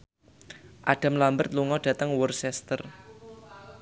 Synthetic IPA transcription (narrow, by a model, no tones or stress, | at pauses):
ʔaɖ̥a̤mlambərt̪̚luŋɔɖ̥ä̤t̪əŋwərsɛst̪ər